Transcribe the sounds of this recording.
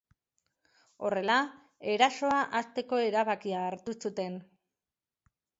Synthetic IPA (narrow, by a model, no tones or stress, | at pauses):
o̞re̞la | e̞ɾaso̞aʔast̪e̞ko̞e̞ɾaβakiaːɾt̪usut̪e̞n